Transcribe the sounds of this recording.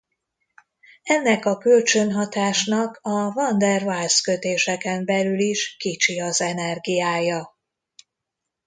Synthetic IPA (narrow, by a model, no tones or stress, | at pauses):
ɛnːɛkɒkølt͡ʃønɦɒt̪aːʃnɒkɒvɒnd̪ɛrvalskø̞t̪eːʃɛkɛmbɛlyliʃkit͡ʃiɒzɛnɛrɡijaːjɒ